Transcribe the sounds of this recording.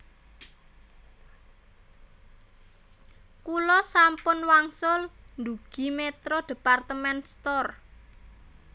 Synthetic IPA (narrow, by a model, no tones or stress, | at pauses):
kulɔsampʊnwaŋsʊlnd̪uɡ̥i̤met̪ɾɔɖ̥e̤part̪əmɛnst̪ɔr